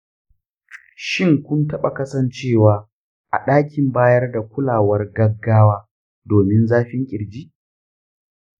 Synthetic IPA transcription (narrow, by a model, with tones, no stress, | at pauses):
ʃɪ˦ŋkʷʊ˦ntɐ˦ɓa˨kɐ˦sɐ˦˨nt͡ʃeː˦˨waː˨ | ʔa̰˨ɗaː˦kʲɪ˨mbaː˦jɐ˦rda˨kʷʊ˦laː˨wɐ˦rɡɐ˦ɡːaː˦waː˦ | doː˨mɪ˦nzaː˦ɸɪ˦ŋkʲʼɪ˨ɾd͡ʒiː˦ʔ